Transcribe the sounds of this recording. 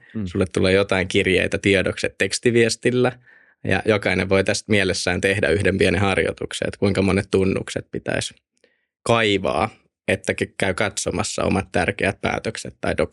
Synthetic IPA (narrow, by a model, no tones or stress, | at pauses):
sulːet̪tːulːeːjjot̪ɑiŋkirjḛit̪æt̪iedokset̪t̪ekst̪iʋiest̪ilːæ | jɑ̰jokɑineʋʋoit̪æst̪mielesːæːnt̪ehdæyhdempienihɑrjo̰t̪uksḛt̪kuiŋkɑmonet̪t̪unːṵkset̪̚pit̪æ̰is | kɑiʋɑ̰ː | et̪ːækkæykɑt̪somɑsːɑ̰o̰mɑt̪t̪ærkeæt̪̚pæ̰ːt̪økset̪ːɑit̪o